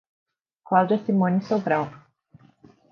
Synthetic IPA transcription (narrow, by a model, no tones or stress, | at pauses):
kwald͡ʒɐsimõnisobɾaw